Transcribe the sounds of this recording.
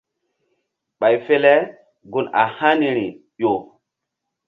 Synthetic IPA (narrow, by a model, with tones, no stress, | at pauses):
ɓa˨jfe˦le˦ | ɡu˨na̰˨ha˦ni˨ɾi˨ | jo˨